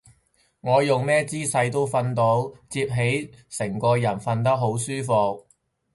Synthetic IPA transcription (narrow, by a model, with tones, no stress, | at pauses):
ŋɔː˨˧jʊ˨ŋmɛː˥t͡siː˥sɐ˧jt̪o˥wfɐ˧nt̪o˨˥wt͡siː˧p̚ɦe˨˥jsɪ˨˩ŋkɔː˧jɐ˨˩nfɐ˧nt̪̬ɐ˥k̚ɦo˨˥wsyː˥fʊ˧k̚